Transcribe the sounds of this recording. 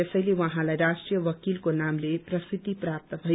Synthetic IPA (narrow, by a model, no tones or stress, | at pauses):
ʌsʌjlewʌɦãlajɾasʈrijʌwʌkilkonamleprʌst̪it̪iprap̚t̪ʌbʱʌ